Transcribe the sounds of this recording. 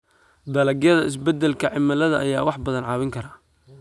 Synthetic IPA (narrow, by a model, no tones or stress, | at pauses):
d̪ɐlɐɡjɐðɐɪs̬bɛd̪ɛlkʰɐʕɪmɐlɐðɐʔːjaːwɑħbɐðɐnʕɑːwɪŋkʰɐɾaː